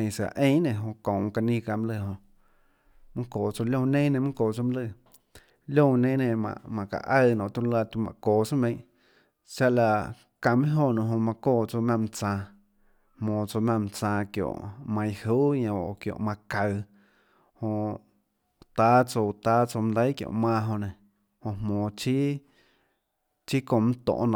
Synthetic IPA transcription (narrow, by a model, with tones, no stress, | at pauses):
ẽ˧˨sa̰˨ʔẽ˦ʔnẽ˧˨ɦõ˧kõ˨˧ka˧nĩː˦ka˧˨m̃˦lɨ˧˨ɦõ˧ | mɨ̃˦koː˨t͡so˧˨ljõ˧nẽː˦nẽ˧˨mũ˦koː˨t͡so˧m̃˦lɨ˧˨ | lʲjõ˦˧˨nẽː˦nẽ˧˨mã̰˧˨ʔmã˧˨ka̰˨ʔə˦˧˨nõ˨ʔt̪ũ˧˦la˦˧t̪u˧mã̰˧˨koː˨t͡sõ˦mẽ˧j̃ʔ | t͡ʃa˦ʔla˧ | ka˧mĩ˦ɦo˧˨nõ˧˨ɦõ˧mã˧koː˦˧˨t͡so˧˨mã˧m˧t͡sãː˧ | hmõː˨t͡so˧mã˧˨m̃˧t͡sãː˧kjo̰˨ʔmã˧j̃huː˦ɲã˧˨o˨kjo̰˧˨mã˧ka˧˨ | hõ˧ʔ | t̪a˦t͡so˧t̪a˦t͡so˧m̃˧d̪ə˦jkjo̰˧˨ʔmãː˧ɦõ˧nẽ˨ | hõ˧hmõː˨t͡ʃi˦ | t͡ʃi˦kõ˧˨mũ˦t̪õ̰˧˨ʔñ˧˨